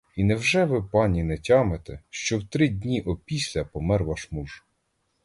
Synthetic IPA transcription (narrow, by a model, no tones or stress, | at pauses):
inɛwʒɛʋɪpɑnʲinɛtʲɑmet̪ɛʃt͡ʃɔwt̪ɾɪdʲnʲiʔɔpʲisʲlʲɐpɔmɛrʋɑʃmuʒ